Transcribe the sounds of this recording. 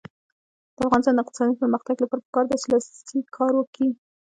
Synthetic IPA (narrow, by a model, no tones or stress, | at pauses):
d̪̥əafɣɑnɪst̪ɑnd̪əɪq̚t̪ɪ̥sɑd̪ipəɾməxt̪aɡlapɑɾpə̥kɑɾd̪at͡ʃɪlɑst̪ikʰɑɾwəki